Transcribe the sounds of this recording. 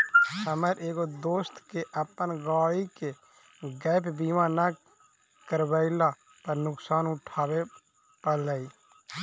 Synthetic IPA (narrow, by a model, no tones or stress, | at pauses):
əməɾʔeːkod̪oːst̪keʔəpənɡaːike | ɡɛːpbiːmãna | kəɾbəɪla | pəɾnʊksaːnʊʈʰaːwe | pələiː